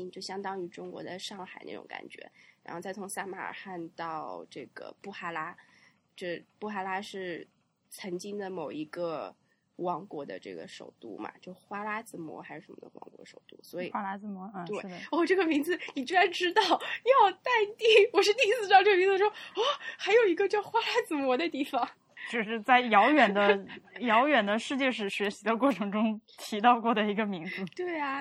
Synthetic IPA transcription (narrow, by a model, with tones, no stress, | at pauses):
i˥t͡ɕjo˥˩ʊɕjɑ˥ŋt̪ɑ˥ŋy˧˥ʈ͡ʂʊ˥ŋkwɔ̰˧˥dɪʂɑ˥˩ŋxa̰˨˩ɪna˥˩ʈ͡ʂʊ̰˧˥ŋka̰˨˩nt͡ɕɥɛ̰˧˥ɻa˧˥xo˥˧ʊt͡sa˥˩ɪt͡sʰʊ˧˥ŋsa˥˩ma̰˨˧˩ə̰˨˩xa˥˧nt̪ɑ˥˧ʊʈ͡ʂɤ˥˩ɡ̥ə̰˩pu˥˩xa˥la˥ | ʈ͡ʂɤ˥˧˩pu˥˩xa˥˩la˥ʂɻ̩˥˩ | t͡sʰə˧˥ŋt͡ɕi˥ŋd̪ə˨mo˨˩ʊi˧˥ɡə˧ | wɑ˧˥ŋkwɔ˧˥d̪ə̰˧ʈ͡ʂɤ̰˥˩ɡə̰˩ʂo̰˨˩ʊt̪ṵ˥˩ma̰˩t͡ɕjo˥˧ʊʂxwa˥la˥t͡sɹ̩˧˥mwɔ̰˧˥xa˧˥ʂɻ̩˥˩ʂə˧˥mə˧˩d̪ə˧wɑ̰˧˥ŋkwɔ̰˧˥ʂo˨˩ʊt̪ṵ˥˩swɔ˧˥ḭ˨˩a˥a˥˧mɔ˧˥t̪we˥˩ɪ˥ɔ˥˩ʈ͡ʂɤ˥˩ɡə˩mi˧˥ŋd͡zɹ̩˧ni˨˩t͡ɕi˥a˧˥nʈ͡ʂɻ̩˥t̪ɑ˥˩ʊjɑ˥˧ʊt̪a˥˧ɪt̪i˥˧˩wɔ˨˩ʂ̬ɻ̩˥˧t̪i˥˧˥sɹ̩˥˧ʈ͡ʂɑ˥˧ŋʈ͡ʂɤ˥˩ə˧mi˧˥ŋd͡z̩˧ʂwɔ˥ɔ˥˩xa˧˥ɪjo˨˩ʊi˧˥ɡə˧t͡ɕʊxwa˥la˥t͡sɹ̩˧˩mwɔ˧˥d̪ə˧t̪i˥˩fɑ˨˩ŋ | t͡ɕjo˥˧ʊʂɻ̩˥˧t͡sa˥˩ɪjɑ˧˥ʊɥɛ˨˩nd̪ə˦jɑ˧˥ʊjɥɛ˨˩nd̪ə˦ʂɻ̩˥˧t͡ɕjɛ˥˧ʂ̬ɻ̩˥˩ɕɥɛ˧˥ɕi˧˥d̪ə˧kwɔ˥˩ʈ͡ʂʰɤ˧˥ŋʈ͡ʂʊ˥ŋt̪ʰi˧˥t̪ɑ˥˧ʊkwɔ˥˩d̪ə˩i˧˥ɡə˧mi˧˥ŋd͡zɹ̩˧t̪we˥˩ɪɐ˩